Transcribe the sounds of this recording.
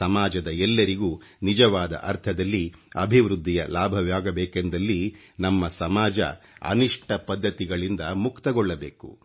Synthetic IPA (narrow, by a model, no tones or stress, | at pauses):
ɐmaːd͡ʒɐd̪ɐɛlːɐɾiɡuː | nid͡ʒɐʋaːd̪ɐ̰ʔɐɾt̪ʰɐd̪ɐlːiɐ̰bʱiʋɾud̪ʱːijɐlaːbʱɐʋjaːɡɐbeːkend̪ɐlːi | nɐmːɐsɐmaːd͡ʒɐ̰ɐ̰niʂʈʰɐpɐd̪ʱːɐt̪iɡɐɭind̪ɐmukt̪ɐɡɔɭːɐbeːkṵ